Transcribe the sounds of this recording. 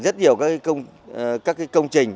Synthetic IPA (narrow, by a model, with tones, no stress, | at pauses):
zə˦˥t̚hi˨˩əwkaː˦˥ka˨˦kə˧wŋ͡m | kaː˦˥k̚ːaː˨˦jkə˧wŋ͡mt͡ɕï˨˩ŋ̟